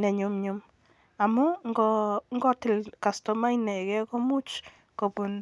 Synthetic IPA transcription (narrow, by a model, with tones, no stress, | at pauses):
nɛ˨ɲʊ˦mɲʊ˦m | a˨mɔ˦ŋɡɔ˦ŋɡɔ˦tɪ˨lka˨stɔ˨ma˦i˦nɛ˨ɡɛ˦kɔ˦mu˦t͡ʃ | ko˨bu˨n